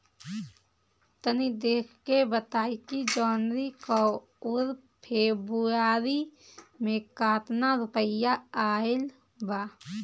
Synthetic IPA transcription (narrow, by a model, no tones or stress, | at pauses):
t̪ənid̪eːkʰkebət̪aːikid͡ʒɔːnɾiko | ʊɾ | pʰeːbuaːɾimẽkaːt̪naɾʊpəjaaːɪl | baː